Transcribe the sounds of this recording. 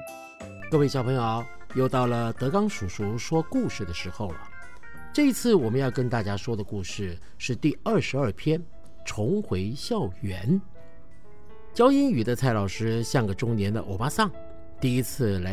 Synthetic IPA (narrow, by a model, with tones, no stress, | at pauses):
kɤ˥˧we˥˩ɕjɑ˨ʊpʰŋjo˧˩ʊjo˥˧ʊt̪ɑ˥˩ʊlə˩t̪ɤ˧˥kɑ˥ŋʂu˨˩ʂu˧˥ʂwɔ˥ku˥˧ʂɻ̩˥˩d̪ə˩ʂɻ̩˧˥xo˥˩ʊ˩ | ʈ͡ʂɤ˥˩i˧˥t͡sʰɹ̩˥˩wɔ˨˩mə˦njɑ˥˩ʊkə˥nt̪a˥˩t͡ɕja˥ʂwɔ˥d̪ə˨ku˥˧ʂɻ̩˥˧ | ʂɻ̩˥˧t̪i˥˧ə˞˥˩ʂɻ̩˧˥ə˞˥˩pʰjɛ˥n | ʈ͡ʂʰʊ˧˥ŋxwe˧˥ɪɕjɑ˥˩ʊɥɛ˧˥n | t͡ɕjɑ˥ʊi˥ny˨˩d̪ə˦t͡sʰa˥˩ɪlɑ˨˩ʊʂɻ̩˥ɕja˥˩ŋɡə˩ʈ͡ʂʊ˥ŋnjɛ˧˥nd̪ə̰˧ʔo˨˩pa˥sɑ˥˩ŋ | t̪i˥˩i˥t͡sʰɹ̩˥˩la˧˥